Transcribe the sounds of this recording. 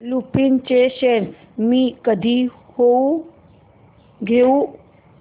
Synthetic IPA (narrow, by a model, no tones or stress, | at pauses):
lupint͡ɕeɕeɾ | miːkəd̪ʱiː | ho | ɡʱeu